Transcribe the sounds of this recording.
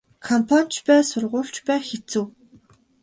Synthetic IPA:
kʰɔmpʰan̥ʲt͡ɕpæːsʊrʁʊːɬt͡ɕpæːxet͡sŭw

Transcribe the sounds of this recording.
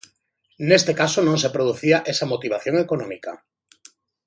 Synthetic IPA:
nest̪ekasonõŋs̬epɾoð̞uθiaʔesamot̪iβ̞aθjõŋekonõmika

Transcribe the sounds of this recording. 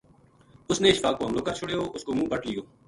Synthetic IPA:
ʊsneːɪʃfaːkmoɦəmloːkəɾt͡ʃʰʊɽejoːʔʊskoːmũːbəʈlɪjoː

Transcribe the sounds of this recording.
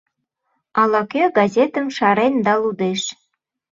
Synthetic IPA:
ɑlɑkøɡɑzʲet̪əmʃɑɾend̪ɑlud̪eʃ

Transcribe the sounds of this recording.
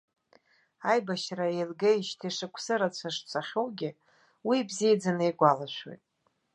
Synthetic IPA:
ajbaʃraelɡejʃtʰiʂɨkʷʰsɨɾat͡ɕʷʰaʂt͡sʷʰaχʲowɡʲɪ | wibzied͡zanɨjɡʷalaʃʷwo̰jtʼ

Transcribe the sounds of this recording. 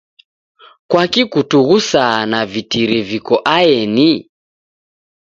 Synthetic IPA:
kwakikutuɣusanavitiɾɛvikɔʔajɛni

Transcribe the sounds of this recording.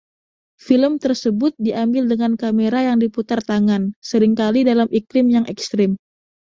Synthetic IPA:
filəmt̪ərsəbʊt̪̚diʔambɪldəŋankameɾajaŋdiput̪art̪aŋansəɾɪŋkalidalamʔikɾɪmjaŋʔɛkst̪ɾɪm

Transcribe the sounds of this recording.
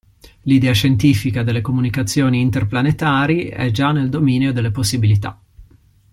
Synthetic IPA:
lid̪ɛːaʃent̪iːfikad̪elːekomunikat̪sːjoːniːnt̪erplanet̪aːɾiɛ̰d͡ʒanːeld̪omiːneod̪elːeposːibilit̪a̰

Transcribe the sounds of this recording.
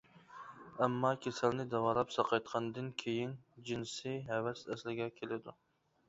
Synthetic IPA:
æmːɑkʲʰesælnɪd̪ɛwɑlˠɑpsɑqʰɑjt̪̚qʰɑnd̪ɨnkʲʰejind͡ʒinsɪɦɛvɛsɛslɪɡʲɛkʲʰelɪd̪u

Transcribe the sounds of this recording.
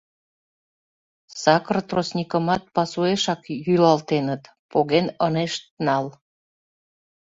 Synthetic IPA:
sɑkrt̪rosnʲikəmɑt̪̚pɑsueʃɑkjylɑlt̪enət̪ | poɣenəneʃt̪̚nɑl

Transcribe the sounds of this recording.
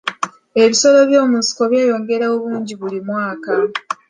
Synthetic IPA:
e̞βiso̞lo̞βjo̞ːmusi̥ko̞βjaːjo̞ːŋɡe̞ɾaoβuːɲɟiβulimwaːka

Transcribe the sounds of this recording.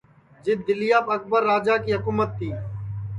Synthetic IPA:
d͡ʒɪd̪ɪlɪjaːpək̚bəɾːaːd͡ʒaːkiːɦəkuːmət̪ːiː

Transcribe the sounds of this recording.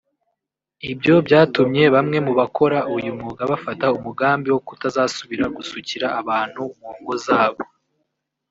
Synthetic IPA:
ibɟo̞bɟaːtumɲe̞βamŋe̞muβakʰo̞ɾaujumuɡaβafataumuɡaːmbiwo̞kutazaːsuβiɾaɡusuciɾaʔaβaːn̥huŋoːŋɡo̞zaːβo̞

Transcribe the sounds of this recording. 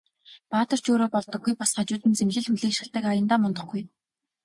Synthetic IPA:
paːt̪ə̆r̥t͡ɕoːɾoːpɔɮt̪ɞ̆ɡːujpasχat͡ɕʊːt̪ɘ̆nt͡semɮɘ̆ɮxuɮiːkʃɪ̆ɬt̪ə̆kajə̆nt̪aːmɔnt̪ɞ̆χɡuj

